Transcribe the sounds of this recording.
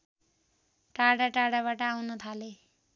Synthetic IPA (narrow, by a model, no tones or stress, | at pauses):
ʈaɽaʈaɽaβaʈʌawnʌt̪ʰale